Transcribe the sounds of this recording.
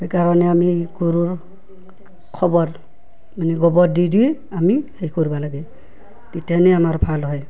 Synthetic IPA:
hejkaɾɔnɛamiɡoɾuɹ | kʰɔbɔɹ | maniɡɔbɔɾdidij | amihejkoɹibalaɡɛ | titjanɛamaɹbʰʱalɦɔj

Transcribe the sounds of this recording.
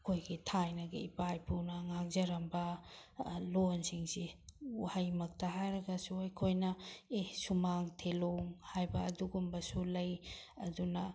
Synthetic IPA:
kʰojɡitʰajnɐɡḭipajpʰunɐŋaŋzɐɾɐmbɐ | lonsiŋsiuhajmɐk̚tɐɦajɾɐɡɐsuɐjkʰojnɐesumaŋtʰeloŋhajbɐːduɡumbɐsulɐjɐdunɐ

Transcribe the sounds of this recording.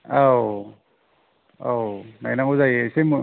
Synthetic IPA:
aw | awnainaŋuzajsem

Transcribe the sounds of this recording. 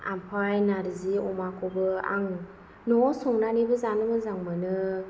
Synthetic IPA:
a̰mpʰajnaɾiziɔmakʰɔbɯa̰ŋ | nɔsɔŋnanebɯzanɯmɯzaŋmɯnɯ

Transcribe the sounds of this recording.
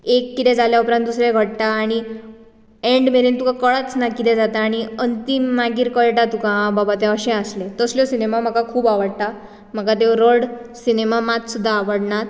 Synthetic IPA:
ekːit̪ɛ̃d͡zaljaupɾãnt̪̚d̪usɾeɡʱəɽt̪aːɽ̃i | eɳɖmeɾint̪ukʰãkəɭət͡snakit̪ɛd͡zat̪aːɽ̃iənt̪imːaɡiːɾkəɭʈat̪ukãbabat̪̬jãəɕɛ̃əslet̪əsljɔsinemam̤əkakʰuːbaʋəɽt̪a | m̤əkat̪eɾəɽsinemamat̪sud̪ʱːaːʋəɽɳat̪̚

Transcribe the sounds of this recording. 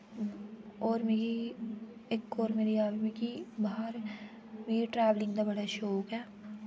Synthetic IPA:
ɔːɾmeːɡi | ekːoːɾmeːɾiaːʋimeːkibaɦɾ | meːiʈɾɛːʋlɪ̃ŋɡd̪abɐɽaʃoːkɛː

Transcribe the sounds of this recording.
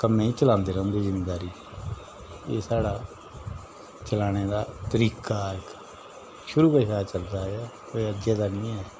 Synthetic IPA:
kəmːẽːiːt͡ʃəlãːnd̪eːɾə̃nd̪iːzɪmeːd̪aːɾiː | ḛːsaːɽaː | t͡ʃəlaːɽ̃eːd̪aːt̪əɾiːkaːɾk | ʃʊɾuːpəːʃaːt͡ʃəld̪aːɛː | oeəd͡ʒeːd̪aːnĩːɛː

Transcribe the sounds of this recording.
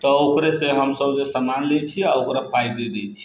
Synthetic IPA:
t̪ɔokɾesẽɦəmsəbd͡ʒesəmanlɛt͡ʃʰiaokɾapʰajd̪ed̪ɛjt͡ʃʰi̥

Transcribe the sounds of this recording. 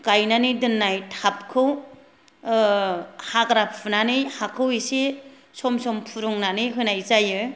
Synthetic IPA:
kajnanidɯnːajtʰap̚kʰɯw | hakɾapʰunanɯjhakʰɯwise | sɔmsɔmpʰuɾuŋnanɯjɦɯnajzajɯ

